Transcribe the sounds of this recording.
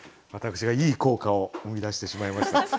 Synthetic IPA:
βat̪akɯ̥ɕiɡaiːko̞ːkao̞ɯmʲid̪aɕi̥t̪e̞ɕimaimaɕi̥t̪a

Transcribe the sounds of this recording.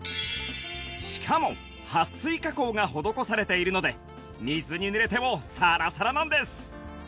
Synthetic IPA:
ɕi̥kʰamo̞ | hasːɨikako̞ːŋaho̞d̪o̞ko̞saɾe̞t̪e̞iɾɯ̟no̞d̪e̞ | mʲizɨɲ̟inɯ̟ɾe̞t̪e̞mo̞saɾasaɾanãnd̪e̞sɨ̥

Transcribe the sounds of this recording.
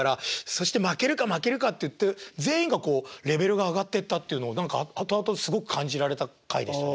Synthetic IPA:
aɾaso̞ɕi̥t̪e̞make̞ɾɯ̟kamake̞ɾɯ̟kat̪ːe̞jɯ̟t̪ːe̞d͡ze̞ːĩŋɡako̞ːɾe̞be̞ɾɯ̟ɡaːɡat̪ːe̞t̪ːat̪ːe̞iɯ̟noːnãŋkaat̪o̞at̪o̞sɨɡo̞kɯ̟kʰãɲ̟d͡ʑiɾaɾe̞t̪akaḭd̪e̞ɕta

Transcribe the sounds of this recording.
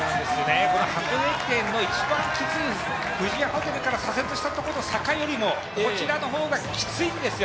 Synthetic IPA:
d̪esjoneko̞nohakoekẽ̞nːo̞it͡ɕibãŋkʲit͡sɨi | ɸɯ̟ʑiahot̪eɾɯ̟kaɾasaset͡sɨɕi̥t̪at̪o̞koɾosakajo̞ɾʲimo̞ | ko̞t͡ɕiɾano̞ɦo̞ːɡakʲi̥t͡sɨĩnd̪esɨjo

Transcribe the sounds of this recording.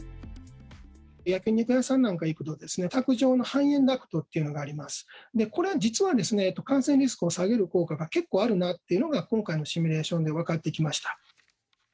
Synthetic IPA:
jakʲɯ̟ɲ̟ikɯ̟asãnːãŋkaikɯ̟t̪o̞d̪e̞sɨne̞t̪akɯ̟ʑo̞ːno̞hãɰ̃ẽ̞nd̪akɯ̟̥t̪ot̪ːe̞iɯ̟no̞ɡaːɾʲimasɨ̥d̪e̞ko̞ɾe̞ad͡ʑit͡sɨβad̪e̞sɨne̞ːt̪ːo̞kãɰ̃sẽ̞nʲɾʲis̬ɨ̥kɯo̞saɡe̞ɾɯ̟ko̞ːkaɡake̞kːoːaɾɯ̟nat̪ːe̞iɯ̟no̞ɡakõ̞ŋkaino̞ɕimʲiɾe̞ːɕõ̞nd̪e̞β̞akat̪ːe̞ikʲimaɕi̥t̪ḁ

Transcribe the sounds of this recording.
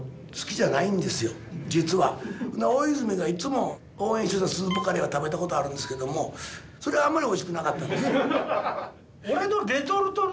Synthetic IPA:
sɨ̥kʲiʑanaĩnd̪e̞sɨjo̞ | d͡ʑit͡sɨβaonaojizɨmeɡait͡sɨmo̞ | oːẽɕit̪oɕasɨːbokaɾʲeβat̪abe̞t̪ako̞t̪o̞aɾɯ̟̃nd̪esɨ̥ke̞d̪o̞mo̞ | so̞ɾe̞βaːmːaɾʲio̞iɕi̥kɯ̟nakat̪ːan | oɾenod̪et̪oɾɯt̪o

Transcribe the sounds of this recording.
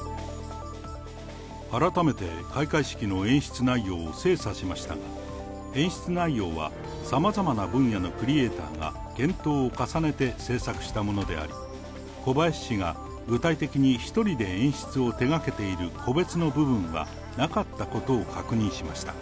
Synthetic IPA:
aɾat̪ame̞t̪e̞kaikaiɕi̥kʲino̞ẽ̞ɰ̃ɕi̥t͡sɨnaijo̞ːse̞ːsaɕimaɕi̥t̪a̰ɡa | ẽ̞ɰ̃ɕi̥t͡sɨnaijo̞ːβa̰ | samazamanabɯ̟̃ɰ̃jano̞kɾʲie̞ːt̪a̰ːɡa̰ | ɡ̥ẽ̞nt̪o̞ːkasane̞t̪e̞se̞ːsakɯ̟̥ɕi̥t̪amo̞no̞d̪e̞̰a̰ɾʲḭ | ko̞baeɕi̥ɕiɡa | ɡɯ̟t̪ait̪e̞kʲiɲ̟içi̥t̪o̞ɾʲid̪e̞ẽɰ̃ɕi̥t͡sɨo̞t̪e̞ɡake̞t̪e̞iɾɯ̟kʰo̞be̞t͡sɨno̞bɯ̟bɯ̟̃ɰ̃a̰ | nakat̪ːako̞t̪o̞ːkʰakɯ̟ɲ̟ĩɰ̃ɕimaɕi̥t̪ḁ

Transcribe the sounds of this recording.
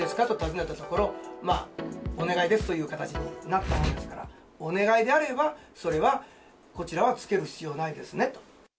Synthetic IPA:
esɨ̥kat̪o̞t̪azɨnet̪at̪o̞ko̞ɾo̞ma̰ːo̞ne̞ɡaid̪e̞sɨ̥t̪o̞jɯ̟ːkat̪at͡ɕiɲ̟inat̪ːamõnd̪e̞sɨ̥kaɾa̰ | o̞ne̞ɡaid̪e̞aɾe̞baso̞ɾe̞βa | ko̞t͡ɕiɾaβat͡sɨ̥ke̞ɾɯ̟çi̥t͡sɨijo̞ːnaid̪e̞sɨne̞t̪o̞̥

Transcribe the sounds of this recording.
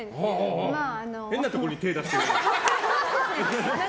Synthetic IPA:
haɦaɦa | hẽ̞nːat̪o̞koɾoɲ̟it̪e̞ːd̪asi̥t̪eɾ

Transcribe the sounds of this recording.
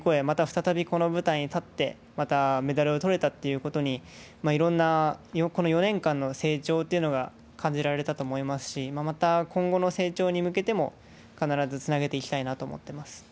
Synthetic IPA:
ko̞e̞mat̪aɸɯ̟̥t̪at̪abʲiko̞no̞bɯ̟t̪aĩɲ̟it̪at̪ːe̞ | mat̪ame̞d̪aɾɯ̟o̞t̪o̞ɾe̞t̪at̪ːe̞jɯ̟ko̞t̪o̞ɲ̟i | maiɾõ̞nːajoko̞no̞jo̞nẽ̞ŋkãnːo̞se̞ːt͡ɕo̞ːt̪ːe̞iɯ̟noɡa | kʰãɲ̟d͡ʑiɾaɾɾe̞t̪at̪o̞ːmo̞imasɨ̥ɕimamat̪akõ̞ŋɡo̞no̞se̞ːt͡ɕo̞ːɲ̟imɯ̟ke̞t̪e̞mo̞̰ | kanaɾazɨt͡sɨnaɡe̞t̪e̞ikʲi̥t̪ainat̪o̞̰ːmo̰t̪ːe̞masɨ̥

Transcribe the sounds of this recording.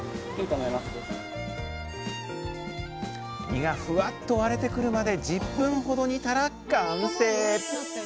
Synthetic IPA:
ikaŋaimasɨd̪e | ɲʲiɡaɸɯ̟at̪ːo̞βaɾe̞t̪e̞kɯ̟ɾɯ̟mad̪e̞d͡ʑipːɯ̟̃ɰ̃ho̞d̪o̞ɲ̟it̪aɾakːaɯ̟seː

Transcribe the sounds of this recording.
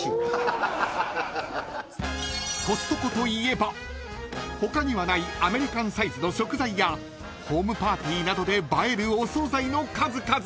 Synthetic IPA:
ko̞st̪ːoko̞t̪o̞ie̞ba | ho̞kaɲ̟iβanaiame̞ɾʲikãɰ̃saizɨno̞ɕo̞kɯ̟zaija | ho̞ːmɯ̟paːt̪ʲiːnad̪o̞d̪e̞bae̞ɾɯ̟oso̞ːzaino̞kazɨkaz

